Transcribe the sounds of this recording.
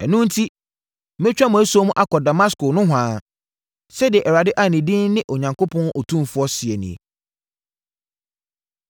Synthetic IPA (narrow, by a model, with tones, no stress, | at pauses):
ɛ˨nʊ̃˦n̩˦tʰi˦ | mɪ̃˦t͡ɕᶣa˦mʊ̃˨æ˦su˦o˦mʊ̃˦ʔa˦kʰɔ˨da˨ma˦skʊ˨nʊ̃˦ɦãː˨˦ | sɛ˦dɪ˨ɛ˨ʔɛ˨ɾa˨dɪ˦ʔa˨nĩ˨dɪ̃˦nːɪ̃˦ʔo˨ɲã˨ŋkʰo˦pʰɔ̃˦nʔɔ˨tʰũ˦mfʊ˨˦ɔ˦sɪ˨ɛ˨nḭ̃˨ḛ˨